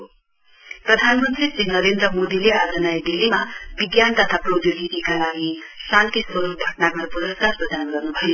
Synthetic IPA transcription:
prʌd̪ʱanmʌnt̪risinʌɾend̪ɾʌmod̪ilead͡zʌnajɖilːimabiɡjant̪ʌt̪ʰaprod̪ʱoɡit̪ikalaɡisant̪isʌɾuɡʱʌʈnaɡʌɾbud̪ʌskarprʌd̪ʱanɡʌrnubʱʌjo

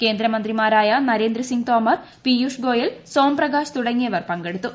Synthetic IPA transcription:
ke̞ːnd̪ɾɐmɐnd̪rimaːɾaːjɐnɐɾe̞ːnd̪ɾɐsiŋɡt̪oːmɐr | pijuʂɡo̞ːjɐlsoːmprɐɡaːɕt̪uɽɐŋːijɐʋɐrpɐŋɡe̞ɽut̪ːu

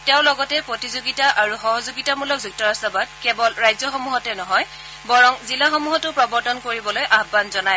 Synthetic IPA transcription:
tɛʊ̃lɔɡɔtɛpɹotizoɡitaʔaɹuxɔɦɔzoɡitamulɔk̚zuk̚tɔɹastɔbad̚kɛbɔlɹajzɔxɔmuɦɔtɛnɔɦɔj | bɔɹɔŋzilaxɔmuɦɔtʊpɹɔbɔɹtɔnkoɹibɔlojʔaɦbanzɔnaj

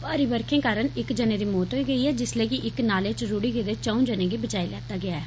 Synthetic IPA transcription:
paːɾiːbəɾkʰẽːkaːɾəɳɪkd͡ʒəneːd̪iːmoːt̪ɦoːiːɡəiːɦɛːd͡ʒɪsleːkɪʔɪknaːleːt͡ʃɾuːɽiːɡeːd̪eːt͡ʃəũːd͡ʒənẽːɡiːbət͡ʃaːilɛ̰ːt̪aːɡɪaːɛː

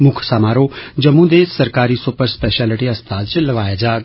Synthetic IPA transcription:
mʊkʰsaːmaːɾoːd͡ʒəmːũd̪esəɾkaːɾiːsʊpəɾspɛːʃɛːləʈiəst̪ʰaːt͡ʃləʋaːjaːd͡ʒaːɡ

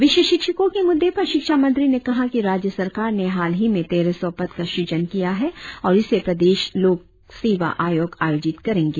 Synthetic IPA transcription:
ʋɪʃəʃɪkʃəkõkemʊd̪ʱːepɐɾʃɪkʃamɐ̃nt̪ɾinekɐɦakiɾaːd͡ʒjəsɐɾkaːɾneɦaːlɦimẽt̪eːɾesɔʋpɐt̪kaʃuːd͡ʒənkijaɦɛɔːɾɪsepɾɐd̪eːʃloːɡ̚ | seːʋa̰ʔaːjoːɡaːjoːd͡ʒɪt̪kɐɾẽːŋɡeː

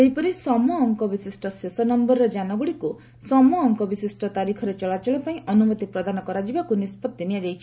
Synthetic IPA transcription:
eɦipɔɾisɔmɔːŋkɔbisisʈɔsesɔnɔmbɔɾɾɔd͡ʒanɔɡuɽiku | sɔmɔːŋkɔbisisʈɔt̪aɾikʰɔɾet͡ʃɔɭat͡ʃɔɭ̃ɔpaĩʔɔnumɔt̪ipɾɔd̪anɔkɔɾad͡ʒibakunispɔt̪ːiniad͡ʒajt͡ʃʰi̥

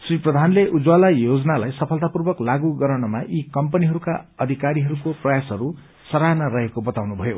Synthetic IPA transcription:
sriprʌd̪ʱanleʔud͡zwalajod͡zʌnalajsʌpʰʌlt̪apurbʌklaɡuɡʌɾʌnʌmaʔikʌmpʌniɦʌɾuka̰ʌd̪ʱikaɾiɦʌɾukoprʌjasɦʌɾu | sʌɾanarʌɦekobʌt̪awnubʱʌjo

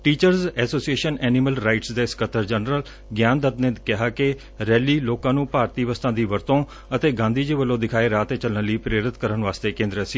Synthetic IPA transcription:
ʈiːt͡ʃəɾzɛːsoːsieːʃənɛːnɪməlɾaːɪʈsd̪aːɪskət̪əɾd͡ʒənɾəl | ɡjaːnd̪ət̪nẽːkɪɦaːkɪ | ɾɛːliːloːkãːnũːpaːɾt̪iːʋəst̪ãːd̪iːʋəɾt̪õː | ət̪eːɡãːnd̪iːd͡ʒeːʋəlːõːd̪ɪkʰaːeːɾaːt̪eːt͡ʃələnləiːpɾeːɾɪt̪kəɾənʋaːst̪eːkẽːnd̪ɾəsi

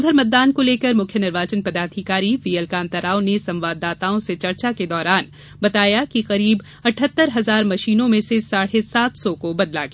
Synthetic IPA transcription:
d̪ʱəɾmɐt̪̚d̪aːnkoleːkəɾmʊkʰjənɪɾʋaːd͡ʒənpɐd̪aːɾt̪ʰikaːɾiʋiːəlkãːnt̪əɾaːõnesɐ̃mʋaːd̪ːaːt̪aːõset͡ʃɐɾt͡ʃaked̪ɔːɾaːn | bɐt̪aːjakiqɐɾiːb | ɐʈʰət̪ːəɾɦɐzaːɾmɐʃiːnõmẽsesaːɽesaːt̪ʰsɔkobɐd̪la̰ɡe

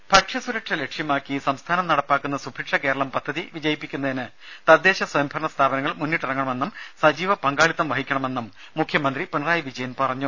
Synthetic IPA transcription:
pɐʈʂjɐsuɾɐkʂɐle̞kʂjɐmaːkːisɐmst̪ʰaːnɐmnɐɽɐpːaːkːunːɐsubʱiʈʂɐke̞ːɾɐɭɐmpɐd̪ʱːɐðiʋid͡ʑɐjipːikʲːunːɐðinɨ | t̪ɐd̪ːe̞ːɕɐswɐjɐmbʱɐɾɐɳɐst̪ʰaːbɐnɐŋːɐɭmunːiʈːirɐŋːɐɳɐme̞nːumsɐd͡ʑiːʋɐpɐŋɡaːɭit̪ːɐmʋɐɦikʲːɐɳɐme̞nːumː | ukʰjɐmɐnd̪ripunɐraːjɐʋid͡ʑɐjɐnpɐrɐɲːu

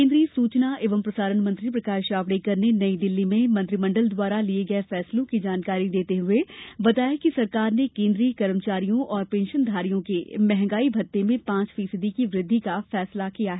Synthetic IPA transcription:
ẽːnd̪ɾisuːt͡ʃnaʔeːʋəmpɾɐsaːɾəɳmɐ̃nt̪ɾipɾɐkaːɾʃaːʋɽikɐɾnenɐid̪ɪlːimẽmɐ̃nt̪ɾɪmɐ̃ɳɖəld̪waːɾalieɡɐefɛːslõkid͡ʒaːnkaːɾid̪eːt̪eɦʊebɐt̪aːjekisɐɾkaːɾnekẽːnd̪ɾikɐɾmt͡ʃaːɾijõʔɔːɾpẽːnʃənd̪ʱaːɾijõkemɛɦɛ̃ŋɡaːibʱɐt̪ːemẽpãːt͡ʃfiːsəd̪ikiʋɾɪd̪ʱːikafɛːslakijaɦɛ

